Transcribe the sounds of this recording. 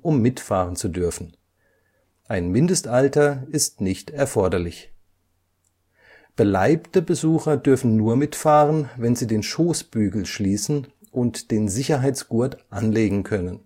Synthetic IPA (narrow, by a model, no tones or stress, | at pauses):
ʔʊmːɪtfaːʁ̞ənt͡sudʏɐfn̩ | ʔaɪnmɪndəstʔaltɐɪstnɪçtɛɐfɔɐdɐlɪç | b̥əlaɪptəbəzuːxɐdʏɐfn̩nuːɐmɪtfaːʁənvɛnziːdeːnʃoːsb̥yːɡl̩ʃliːsn̩ | ʔʊntd̥eːnzɪçɐɦaɪt͡sɡ̥uɐtʔanleːɡŋ̩kʰœnən